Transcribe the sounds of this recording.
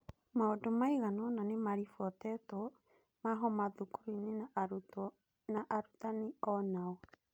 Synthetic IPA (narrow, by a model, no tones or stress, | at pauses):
maodomaiɣanɔnanemaɾifwɔtɛtɔ | maɦɔmaðukuɾine | naʔaɾutaniɔnaɔ